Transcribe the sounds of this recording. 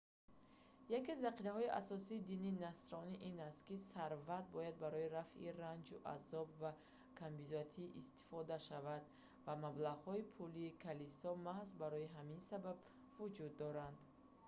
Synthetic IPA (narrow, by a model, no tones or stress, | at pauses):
jakiazvaqiɾahɔiʔa̰sɔsiːd̪ininast̪ɾɔniʔinast̪kisaɾvat̪̚bɔjad̪̚baɾɔiɾafʔḭrand͡ʒuʔa̰zɔbva | kʰambizat̪ʰiːʔist̪i̥fɔd̪aʃavad̪ | vamablaʁhɔipʰuliːkʰalisɔmahzbaɾɔiɦaminsabab | vud͡ʒud̪ːɔɾand̪